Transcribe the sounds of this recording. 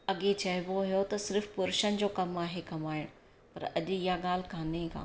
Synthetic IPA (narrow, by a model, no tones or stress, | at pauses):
ɐɠet͡ɕɐɦɪʋoɦijot̪ɐsɪɾfpʊɾʃənd͡ʑoːkɐmaːɦekɐmaːɪɽ̃ | pɐ̰ɾɐʄɪɦaɠaːl̤kãːneka̰ː